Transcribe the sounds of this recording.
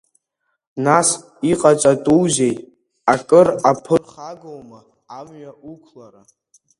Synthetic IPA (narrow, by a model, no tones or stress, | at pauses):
nas | iqʼat͡sʼatʼuwze̞jtʼ | akʼɨrapʰɨrχaɡowmɨ | amɥaukʷʰlaɾa